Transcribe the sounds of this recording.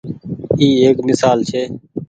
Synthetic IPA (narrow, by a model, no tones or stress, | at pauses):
iːeːkmɪsaːlt͡ʃʰeː